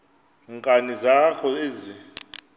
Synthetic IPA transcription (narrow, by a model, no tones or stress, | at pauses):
ŋkʼanizakʰɔezi